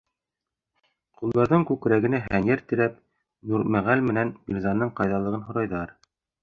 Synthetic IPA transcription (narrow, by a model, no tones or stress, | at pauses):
qulˠd̪ɑɾðɤɴkʉkɾæɡɘ̆næɦænjæɾt̪ɘ̆ɾæp̚ | nuɾmæʁælmɘ̆nænbʲilʲzɑnːɤɴqɑjðɑlˠɤ̆ʁɤnɦŏɾɑjðɑɾ